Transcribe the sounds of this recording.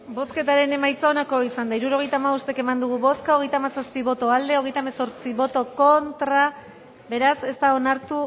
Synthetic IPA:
bo̞ske̞t̪aɾe̞ne̞majt͡saonako̞isand̪aiɾuɾo̞ɣ̞e̞jt̪aːmaust̪eke̞mand̪uɣ̞uβo̞skao̞ɣ̞e̞jt̪aːmasaspiβo̞t̪o̞ald̪e̞oɣe̞jt̪aemaso̞ɾt͡siβo̞t̪o̞ko̞nt̪ɾa | be̞ɾase̞st̪ao̞naɾt̪u

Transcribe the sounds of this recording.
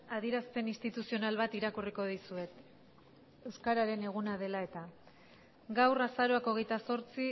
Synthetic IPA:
aðieɾaspe̞nist̪it̪usio̞nalβ̞at̪iɾakuriko̞ðisue̞t̪ | e̞wskaɾaɾe̞ne̞ɣ̞unaðe̞lae̞t̪a | ɡawrasaɾo̞ako̞ɣe̞jt̪aso̞ɾt͡si

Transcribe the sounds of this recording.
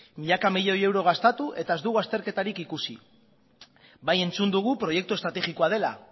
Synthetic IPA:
miʎakamiʎo̞je̞wɾo̞ɣ̞ast̪at̪uʔe̞t̪ae̞zd̪uɣuast̪e̞ɾke̞t̪aɾikikusḭ | baje̞nt͡sund̪uɣ̞upɾo̞je̞k̚t̪ue̞st̪ɾat̪e̞ɣiko̞að̞e̞la̰

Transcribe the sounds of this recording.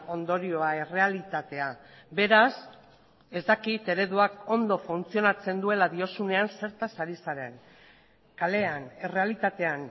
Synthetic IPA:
o̞nd̪o̞ɾio̞ae̞re̞alit̪at̪e̞a | be̞ɾas | e̞zt̪akit̪e̞ɾe̞ðuako̞nd̪o̞funt͡sio̞nat͡se̞nd̪ue̞laðio̞sune̞anse̞ɾt̪asaɾisaɾe̞n | kale̞ane̞re̞alit̪at̪e̞an

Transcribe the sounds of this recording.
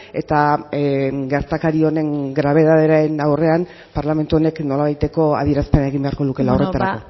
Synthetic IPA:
e̞t̪a | ɡe̞ɾt̪akaɾio̞ne̞ŋɡɾaβ̞e̞ð̞aðeɾaenawre̞an | paɾlame̞nt̪uo̞ne̞kno̞laβ̞ajt̪e̞ko̞a̰ðie̞ɾaspe̞nae̞ɣimbe̞aɾko̞luke̞laore̞t̪aɾa̰ko̞

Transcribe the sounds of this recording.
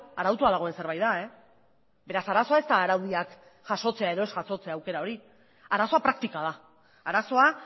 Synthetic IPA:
aɾawt̪uaðaɣ̞o̞e̞nse̞ɾβajðae̞ | be̞ɾasaɾaso̞ae̞st̪aːɾawðiak | ʝ̥aʃo̞t͡se̞ae̞ðo̞e̞sʝaso̞t͡se̞aːwke̞ɾao̞ɾi | aɾaso̞apɾak̚t̪ikað̞a | aɾaso̞a

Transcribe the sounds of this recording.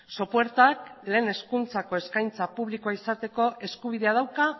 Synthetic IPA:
so̞poe̞ɾt̪akle̞ːne̞skunt͡sako̞e̞skajnt͡sapuβlikoaisat̪e̞ko̞ʔe̞skuβ̞iðe̞að̞awka

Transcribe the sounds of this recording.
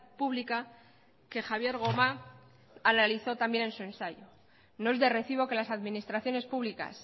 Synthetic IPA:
puβlika | ke̞xaβje̞ɾɣ̞o̞ma | analiθo̞t̪ambje̞ne̞nsuẽ̞nsaʝo̞ | noe̞zðere̞θiβ̞o̞ke̞lasaðmĩnist̪ɾaθjo̞ne̞spuβlika̰s

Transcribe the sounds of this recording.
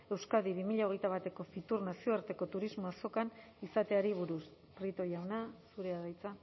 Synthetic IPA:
e̞wskaðiβimiʎao̞ɣ̞e̞jt̪aβ̞at̪e̞ko̞fit̪urnasio̞aɾt̪e̞ko̞t̪uɾizmoaso̞kan | isat̪eaɾiβ̞uɾus | prit̪o̞jawnasuɾe̞aðajt͡sa

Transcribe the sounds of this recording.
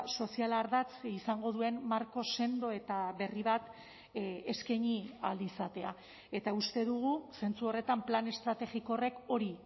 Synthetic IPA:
so̞sialaɾðat͡sisaŋɡo̞ð̞ue̞mmaɾko̞se̞nd̪o̞e̞t̪aβe̞riβ̞at̪ | eskeɲiald̪isat̪e̞a | e̞t̪aust̪e̞ðuɣ̞use̞nt͡suo̞re̞t̪amplane̞st̪ɾat̪e̞ɣikore̞ko̞ɾi

